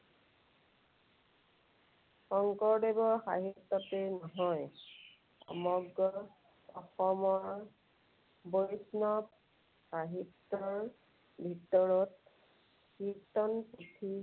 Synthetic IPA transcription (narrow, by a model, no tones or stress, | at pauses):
xɔŋkɔɹdebɔɹxa̰ɦitːɔtenɔɦɔj | ɔ̰mɔɡɹɔ | ɔxɔmɔɹ | bojsnɔp | xaɦitːɔɹ | bʱitɔɹɔt̚ | kitɔnputʰi